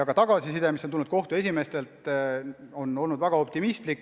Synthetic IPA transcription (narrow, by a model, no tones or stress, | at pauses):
ɑɡɑt̪ɑɡ̥ɑsisid̪emisonulnudt̪ko̞ht̪ue̞sʲime̞st̪e̞lt̪ | o̞no̞lnud̪væɡ̥ɑo̞p̚t̪imist̪likːˑ